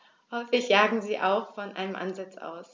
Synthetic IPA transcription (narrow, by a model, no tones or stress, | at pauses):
hɔɪfɪçjaːɡŋ̩ziːʔa̰ʊxfɔnʔaɪnəmʔa̰nzat͡sʔa̰ʊs